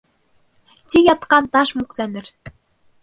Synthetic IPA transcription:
t̪ʲijɑt̪qɑnt̪ɑʃmuklænɘ̆ɾ

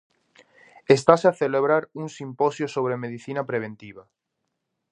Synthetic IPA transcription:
est̪aseaθeleβɾaɾuŋsimpɔsjosoβ̞ɾemeðiθinapɾeβent̪iβa

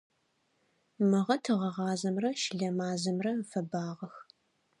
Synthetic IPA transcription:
mɨʁɐtʰɨʁɐʁɑːzɐmrɐʃɪɮɐmaːzɐmrɐfɐbaːʁɐx

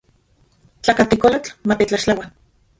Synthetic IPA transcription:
t͡ɬakat̪ikolat͡ɬmat̪et͡ɬaʃlawa

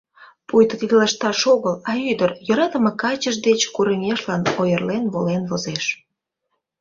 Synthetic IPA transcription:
pujt̪ət̪id̪əlɑʃt̪ɑʃoɣəlɑyd̪ərjɤɾɑt̪ə̆mɤkɑt͡ɕəʃd̪et͡ɕkuɾəŋʲeʃlɑnojərlenβolenβozeʃ

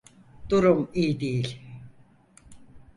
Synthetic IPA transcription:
d̪̥uɾumijd̪ejilʲ

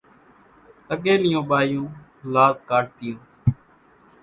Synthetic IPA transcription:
əɠeːlɪjõːɓaːjũː | laːzkaːʈt̪ɪjõː

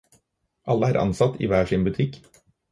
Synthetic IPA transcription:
ʔɑlːəæːɾʔɑ̰nsɑt̪ːḭːʋæːʂiːnbʉt̪ʰɪk

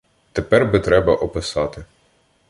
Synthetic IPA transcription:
t̪epɛrbɪt̪ɾɛbɐʔɔpɪsɑt̪ɪ

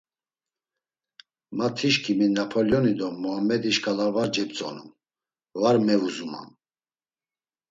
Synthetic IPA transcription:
mat̪ʰiʃkʰiminapʰɔljɔnid̪ɔmɔamɛd̪iʃkʰʼalavaɾd͡ʒɛp̚t͡sʼɔ̰nṵm | vaɾmɛvuzuma̰m

